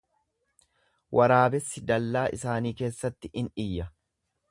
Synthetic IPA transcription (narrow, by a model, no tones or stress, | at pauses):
wʔɐɾaːbɛsːɪd̪ɐlːaːʔɪ̰saːniːke̞ːsːɐt̪ːɪʔɪnᶑɪjːɐ